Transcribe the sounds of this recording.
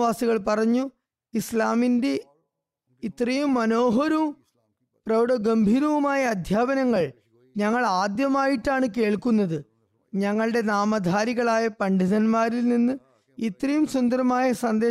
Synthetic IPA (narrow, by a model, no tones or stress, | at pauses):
ʋaːsiɣɐɭpɐrɐɲːu | islaːminde̞ | it̪ːrɐjumːɐno̞ːɦɐɾu | prɐʋɐɽɐɡɐmbʱiːɾɐʋumaːjɐːd̪ʱjaːbɐnɐŋːɐɭ | ɲɐŋːɐɭaːd̪jɐmaːjiʈːaːɳɨke̞ːɭkunːɐðɨ | ɲɐŋːɐɭɨɽe̞naːmɐd̪ʱaːɾiɣɐɭaːjɐpɐɳɖiðɐnmaːɾilninːɨ | it̪rɐjumsund̪ɐɾɐmaːjɐsɐnd̪eː